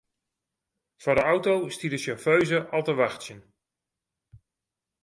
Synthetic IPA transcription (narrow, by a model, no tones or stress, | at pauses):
fadəawtowstidəsɔføɥzəʔɑlˠtəʋaxtsjən